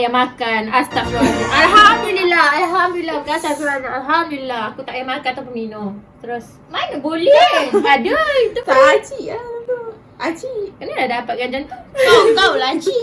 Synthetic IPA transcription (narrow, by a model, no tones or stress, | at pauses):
jamakanast̪aʔ̚tʔalɦamdulilahalɦamd̪ulilabəkasakuɾanalɦamd̪ulilaakut̪aʔjamakanat̪awp̬ənminomt̪əɾʊs | manabolɛpadəit̪upaat͡ʃiʔat̪u | ʔat͡ʃikənəlahdapat̪̚ɡaɲd͡ʒaŋuk̪aut̪aulaɲt͡ʃiʔ